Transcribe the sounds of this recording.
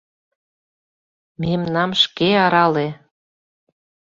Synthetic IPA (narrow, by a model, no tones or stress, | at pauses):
memnɑmʃkeɑɾɑle